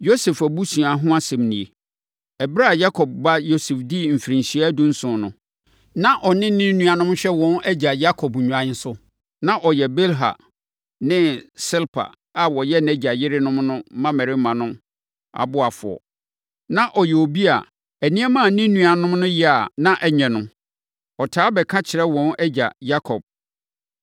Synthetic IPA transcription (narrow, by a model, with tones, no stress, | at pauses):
jo˦sɛ˨fæ˨bu˦sũ˨a˨ɦʊ̃˦a˦sɛ̃˨mnĩ˨e˨ | ɛ˨bɾa˦˨ja˦kʰɔ˨b̚ba˦jo˦sɛ˨fdi˦m̩˨fi˨ɾĩ˨nɕi˨˦dũ˦n̩˦sʊ̃˨˦nʊ̃˦ | nã˦ʔɔ˨nɪ̃˦nɪ̃˦nũ˨a˨nʊ̃˦m˦ɕᶣɛ˦wɔ̃˦næ˦d͡ʑa˨ja˦kʰɔ˨bɲᶣũ˨ã˨ɲ˦n˦sʊ˦ | nã˦ʔɔ˨jɛ˨be˦lɦa̰˨ | nɪ̃˦sɪ˦lpʰa̰˨ | a˨wɔ˨jɛ˦nɛ˦d͡ʑa˨jɪ˦ɾɪ˦nʊ̃˦mnʊ̃˦mã˦mɛ̃˨ɾɪ˦mã˨nʊ̃˦m | a̰˨bʊ˦a˨fʊ̰˨ɔ̰˨ | nã˦ʔɔ˨jɛ˨o˨bi˦a̰˨ | ɛ˨nĩ˦ɛ˦mã˦˨˦nĩ˦nũ˨a˨nʊ̃˦mnʊ̃˦jɪ˦a˨nã˦ʔɛ˦ɲɛ̃˨nʊ̃˦ | ɔ˨tʰaː˦bɛ˨kʰã˦t͡ɕʰɪ˨ɾɛ˦wɔ̃˦nɛ˦d͡ʑa̰˨ja˦kʰɔ˨b̚